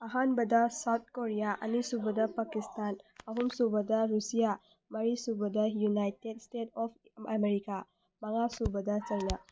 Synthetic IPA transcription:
ɐɦanbɐdɐsawt̪̚ʰkoɾijaʔɐ̰nisubɐdɐpakistanɐɦumsubɐdɐɾusija | mɐɾisubɐdɐjunajtedstetɔpʰɐmeɾika | mɐŋasubɐdɐt͡ʃɐjna

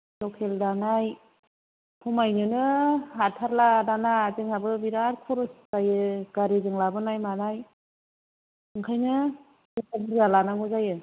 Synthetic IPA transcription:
lɔkʰeldanaj | pʰɔmajnɯnɯɦatʰaɾladanazɯŋabɯbiɾaɾpʰɔɾɔszajɯɡaɾezɯŋlabɯnajmanaj | ɯŋkʰajnɯ | ɔkabɯzalanaŋɔzajɯ

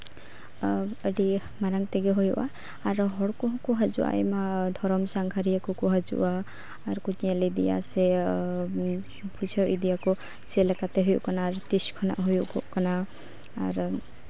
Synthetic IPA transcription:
əɽi | maɾaŋt̪eɡeɦojuʔaː | ɾɦɔɽkɔɦɔ̃kuɦad͡ʒuʔa̰ʔemad̪ʱɔɾɔmsaŋɡʰʱaɾijakɔkuɦad͡ʒṵʔaː | ɾkutijalid̪ḭja̰se | bʰʱud͡ʒʰʱɔʔid̪ijakɔ | t͡ʃelakat̪eɦujṵʔkɔnaːɾt̪iskʰɔna̰ʔɦujuʔkṵʔkɔna | a̰ɾ

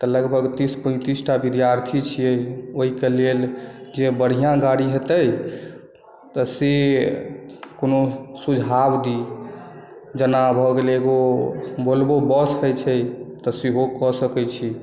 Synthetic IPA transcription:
t̪ələɡbʱəɡt̪ispə̃ɪ̃t̪isʈabid̪jaɾt̪ʰit͡ʃʰijəjoɦikeleld͡ʒebəɽ̤ijãɡaɽiɦet̪əj | t̪ɔse | konosud͡ʒʱabd̪i | d͡ʒənabʱɔɡeleɡobolbobəsɦɛt͡ʃʰɛt̪ɔsiɦokɔsəkɛt͡ʃʰi

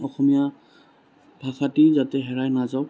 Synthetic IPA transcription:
ɔxɔmija | bʱaxatizatɛɦɛɹajnazaw

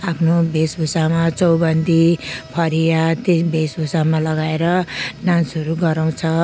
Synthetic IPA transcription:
apʰnobʱesbʱusamat͡sʌwbʌnd̪ipʰʌɾijat̪ebʱesbʱusamalʌɡaeɾʌnãnsʌɾuɡʌɾaw̃t͡sʰʌ

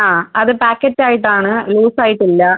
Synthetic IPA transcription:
aːɐðɨpaːkːɐt͡ɕːaːjiʈːaːɳɨluːsaːjiʈːilːɐ

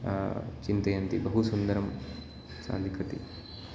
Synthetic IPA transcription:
t͡ʃint̪ɐjɐnt̪ibɐɦusund̪ɐɾɐm | sa̰ːlikʰɐt̪ḭ

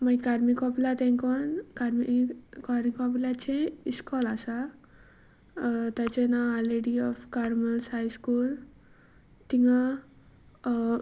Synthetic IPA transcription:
majkaɾmikɔplat̪ẽŋkɔnkaɾmikaɾmikɔplat͡ʃʰẽiskɔlasa | t̪at͡ʃenaaleɖiɔfkaɾməlshajskul | t̪iŋɡa

